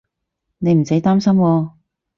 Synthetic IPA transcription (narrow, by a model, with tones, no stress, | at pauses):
ne˨˧jm̩˨˩se˨˥jt̪aː˥msɐ˥mwɔː˧